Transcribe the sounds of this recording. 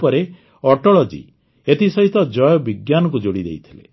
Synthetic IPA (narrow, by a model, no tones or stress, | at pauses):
pɔɾe | ɔʈɔɭɔd͡ʒḭ | et̪isɔɦit̪ɔd͡ʒɔjɔbiɡjanɔkud͡ʒoɽid̪ḛjt̪ʰilḛ